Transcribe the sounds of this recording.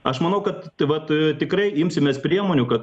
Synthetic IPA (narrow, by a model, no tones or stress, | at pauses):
ɐʃmɐnɐʊkɐt̪ʋɐt̪t̪ʲɪkɾrɐɪɪmʲsʲɪmʲeːspʲɾʲiɛmoːnʲʊkɐt̪